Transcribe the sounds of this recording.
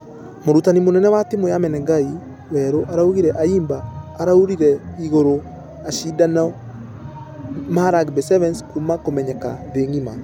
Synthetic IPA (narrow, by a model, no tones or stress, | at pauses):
moɾutanimonɛnɛwatemojamɛnɛŋɡai | wɛɾoʔaɾauɣiɾɛʔaiːmbaːɾauɾiɾɛiɣoɾo | aʃidana | maɾaɡbɛsɛvɛnskumakomɛɲɛka̰ðeŋima